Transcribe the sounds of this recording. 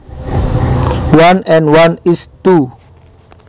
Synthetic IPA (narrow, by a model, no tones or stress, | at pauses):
wanɛ̃nwanist̪u